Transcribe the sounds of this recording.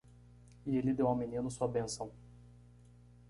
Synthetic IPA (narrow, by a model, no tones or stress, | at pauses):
ielɪd̪ewãw̃minĩnʊsuɐbẽsɐ̃w̃